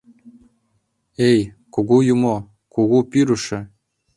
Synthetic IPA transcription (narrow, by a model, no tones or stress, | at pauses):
ejkoɣujumo | kuɣupiɾuʃɘ̆